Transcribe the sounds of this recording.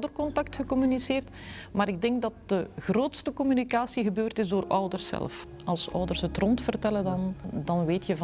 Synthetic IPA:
dərkɔntɑktxəkɔmyniseːrt | maːɾɪɡ̚dɛŋɡ̚dɑt̚d̥əɣroːtstəkɔmynikaːsiɣəbøːrtɪzdoːrœwdərsːɛ̰lˠf | ɑlˠsœ̰wdərsətrɔntfərtɛlədɑndɑnʋeːtʰjəv

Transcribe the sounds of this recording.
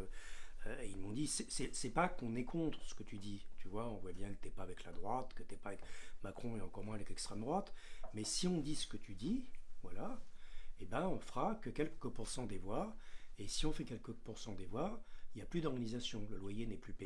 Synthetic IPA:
øeilmɔ̃d̪isɛsɛsɛpakɔ̃nɛkʰɔ̃t̪χəsə̥kət̪yd̪it̪ʰyvwaɔ̃vwabjɛ̃kət̪yɛpaːvɛklad̪ʁwat̪kət̪yɛpaːvɛkmakχɔ̃eɑ̃kɔʁmwɛ̃avɛklɛkst̪χɛmd̪ʁwat̪mɛsiɔ̃d̪isə̥kət̪ʰyd̪ivwala | ebɛ̃ɔ̃fχakəkʲɛlkəpuʁsɑ̃d̪evwaesiɔ̃fɛkʲɛlkəpuʁsɑ̃d̪evwailjaplyd̪ɔʁɡanizasjɔ̃ləlwajenɛplype

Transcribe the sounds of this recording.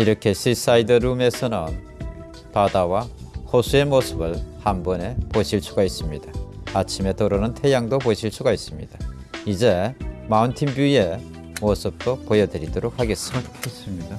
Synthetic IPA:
iɾʌkʰe̞ɕʰis͈aidʌɾume̞sʰʌnɯn | padawahosʰue̞mosʰɯbɯɭhanbʌne̞poɕʰiɭsʰuɡais͈ɯmɲidaat͡ɕʰime̞toɾonɯntʰe̞jaŋdopoɕʰiɭsʰuɡais͈ɯmɲḭda | id͡ʑe̞mauntʰinbjue̞ | mosʰɯp̚t͈opojʌdɯɾidoɾok̚haɡe̞s͈ɯdsi

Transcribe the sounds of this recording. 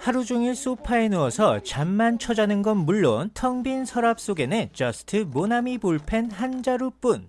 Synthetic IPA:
haɾud͡ʑuŋiɭs͈opʰae̞noʌsʰʌt͡ɕamːant͡ɕʰʌd͡ʑanɯnɡʌnmuɭːontʰʌŋbinsʰʌɾap̚s͈oɡe̞net͡ɕʌsʰɯ̥tʰɯmonamipuɭpʰe̞nhand͡ʑaɾup͈un

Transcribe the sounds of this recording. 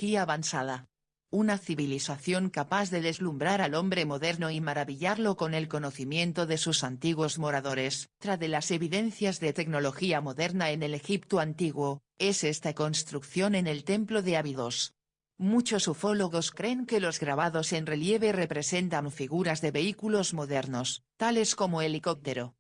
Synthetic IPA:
kiaβansaða | unaθiβiliθaθjo̞ŋkapaθðe̞ðe̞zlumbɾaɾalõ̞mbɾe̞mo̞ðe̞ɾnoimaɾaβiʎaɾlo̞ko̞ne̞lko̞no̞θimjẽ̞nt̪oðe̞susant̪iɣwo̞zmo̞ɾaðo̞ɾe̞st̪ɾaðe̞lase̞βiðe̞n̟θjazðe̞t̪e̞ɡno̞lo̞xiamoðe̞ɾnae̞ne̞le̞xipt̪uant̪iɣwo̞ | e̞se̞st̪ako̞nst̪ɾukθjo̞ne̞nelt̪e̞mplo̞ðe̞aβiðos | mut͡ʃo̞sofo̞lo̞ɣ̞o̞skɾe̞ŋke̞lo̞zɣɾaβ̞aðo̞se̞nre̞lje̞β̞e̞re̞pɾe̞se̞nt̪aɱfiɣuɾazðe̞βe̞ikulo̞zmoðe̞ɾno̞st̪ale̞sko̞moeliko̞p̚t̪e̞ɾo

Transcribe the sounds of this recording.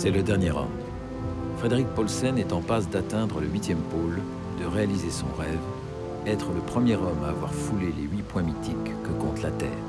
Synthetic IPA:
sɛləd̪ɛʁnjeʁɑ̰̃ | fχed̪eʁik̚pɔlsɛnɛt̪ɑ̃pasd̪at̪ɛ̃d̪ʁələɥit̪jɛmpol | d̪əʁealizesɔ̰̃ʁɛv | ɛt̪χələpχəmjeʁɔmaːvwa̰ʁfuleleɥipwɛ̃mit̪ikːəkɔ̃t̪lat̪ɛ̰ːʁ

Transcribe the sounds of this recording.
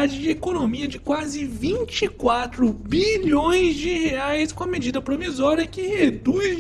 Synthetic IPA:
ad͡ʒɪd͡ʒɪekonomiɐd͡ʒɪkwazɪvĩt͡ʃikwat̪ɾʊbiʎõj̃zd͡ʒɪheajskõɐmed͡ʒid̪ɐpɾovizɔɾiɐkɪhed̪u

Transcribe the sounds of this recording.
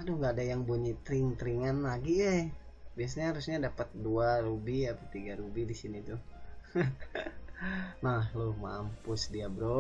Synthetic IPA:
adʊŋɡaːdajaŋbuɲit̪ɾiŋt̪ɾiŋanlaɡia | bias̬aɲaaɾusɲadapət̪̚duaɾubiapat̪iɡaɾubidisinit̪u | nahlohmampʊsdiabəɾo

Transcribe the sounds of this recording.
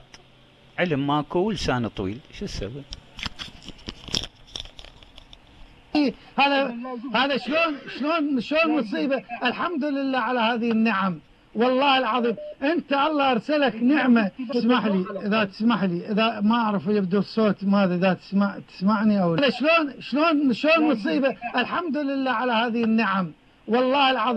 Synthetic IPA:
ʕɪlmːaːkuwəlsaːnat̪ˤwḭːlʃisawi | i | haːðahaːðaʃloːnʃloːnʃloːnmʊsˤiːbaʔɪlħamd̪ʊlɪlːaːʕalahaːðanːaʕam | wɑlˤːɑːhɪlʕɑðˤiːmʔɪnt̪aʔɑlˤːɑʔɑɾˤsalaknɪʕmat̪smaʕliʔɪðat̪ɪ̥smaʕliʔɪðamaʔaʕɾɪfjɪb̚d̪usˤːoːt̪maːðaðat̪ɪ̥smaʕt̪ɪ̥smaʕniʔawðaʃloːnʃloːnʃloːnnʊsˤiːbaʔɪlħamd̪ʊlɪlːaːʕalahaːðanːaʕam | wɑlˤːɑːhɪlʕɑ

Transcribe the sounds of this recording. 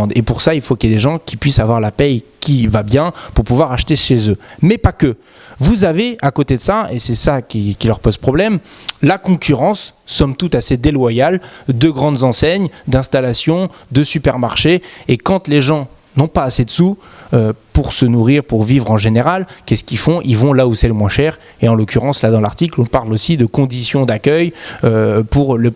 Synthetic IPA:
d̪epuʁsailfokljad̪eʒɑ̃kʲʰipɥisavwaʁlapɛjkʲivabjɛ̃puʁpuvwaʁaʃt̪eʃezømɛpakʲə | vuzaveʔakot̪ed̪əsaesɛsakʲikʲilœʁpozpχɔblɛmlakɔ̃kʲyʁɑ̃sːɔmt̪ut̪ased̪elwajald̪əɡʁɑ̃d̪zɑ̃sɛɲd̪ɛ̃st̪alasjɔ̃ | d̪əsypɛʁmaʁʃeekɑ̃t̪leʒɑ̃ | nɔ̃paːsed̪əsu | øpuʁsənuʁiʁpuʁvivʁɑ̃ʒeneʁalkʲɛsə̥kʲifɔ̃ʔilvɔ̃lausɛləmwɛ̃ʃɛʁ | eɑ̃lokʲyʁɑ̃slad̪ɑ̃laʁt̪iklɔ̃paʁlosid̪əkɔ̃d̪isjɔ̃d̪akʲœjøpuʁlə

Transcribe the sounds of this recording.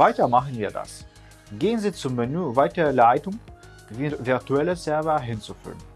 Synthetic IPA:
aɪtɐmaχən̩viːɐda̰s | ɡeːənziːt͡sʊmːenyːvaɪtəʁəlaɪtʊŋ | vɪɐʁtuɛləsɛɐvəɦɪnt͡sufy̰ːlən

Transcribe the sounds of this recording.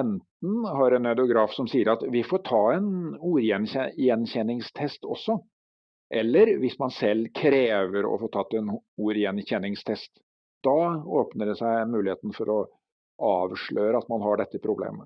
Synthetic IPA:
ɛnt̪n̩hɑɾɛnɑd̪ʊɡɾɑːfsɔmsiːəɾɑt̪ʋɪfoːʈʰɑːɛnuːɾjɛnɕɛjɛnɕɛnːɪŋst̪ʰɛst̪ɔsːɔ | ʔɛlːəɾʋɪsmɑnsɛlːkʰɾeːʋəɾɔ̰foːʈ̪ʰɑt̪ːɛnuːɾjɛnçɛnːɪŋst̪ʰɛst̪ | d̪̥ɑoːpnəɖɛsæɪmʉːlɪheːt̪ən̩fɔɾɔ | ʔɑːʋʂɭøːɾəɑt̪mɑnɦɑɖɛt̪ːəpʰɾʊblḛːmə

